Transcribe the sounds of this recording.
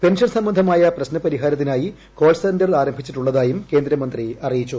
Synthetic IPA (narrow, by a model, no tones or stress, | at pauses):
pe̞nʂɐnsɐmbɐnd̪ʱɐmaːjɐprɐɕnɐpɐɾiɦaːɾɐt̪ːinaːji | ko̞ːlsɐndɐrɭaːɾɐmbʱit͡ɕːiʈːuɭːɐðaːjumke̞ːnd̪ɾɐmɐnd̪riɐrijit͡ɕːu